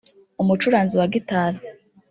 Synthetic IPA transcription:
umut͡ʃuɾaːnziwaɡitaːɾa

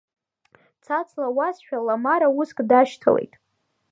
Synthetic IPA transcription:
t͡sʰat͡sʰlawasʃᶣalamaɾauskʼdaʃtʰa̰lḛjtʼ

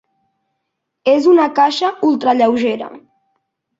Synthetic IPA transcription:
ezunakaʃəulˠt̪ɾaʎɛwʒeɾɐ̰

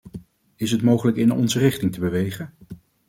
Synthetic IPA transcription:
ɪsɦətmowχələkɪnɔ̰nzərɪχtɪŋtəbəʋejχən

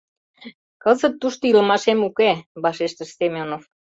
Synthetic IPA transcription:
kəzət̪ːuʃt̪oilmɑʃemukeβɑʃeʃt̪ə̆ʃsemʲonof

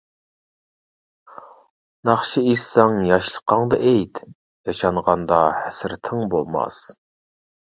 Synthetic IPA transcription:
nɑχʃiisɑŋjɑʃlˠə̥qʰːɑŋd̪ɑʔejt̪ | jɑʃɑɴʁɑnd̪ɑhæsɾt̪ʰɪŋbolˠmɑ̰s

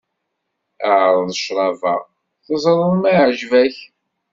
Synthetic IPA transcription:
əʕɾˤðˤəʃɾˤɑvæ̰ | θəzˤɾˤənˤmæʕʒvæç

